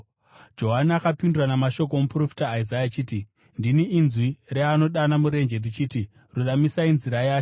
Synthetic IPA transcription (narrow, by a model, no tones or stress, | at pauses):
d͡ʒo̞ɦaniakapinduranamaʃo̞k̬omupro̞fi̥taːizajat͡ʃiːti | ndiniːnzwireano̞ɗanamuɾe̞nd͡ʒe̞rdit͡ʃiːti | ruɗamisainziɾajaːt͡ʃo